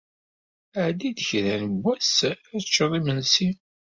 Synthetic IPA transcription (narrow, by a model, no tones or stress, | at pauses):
əʕd̪id̪əçɾænəbʷːæsæt͡ʃːəðˤimənsi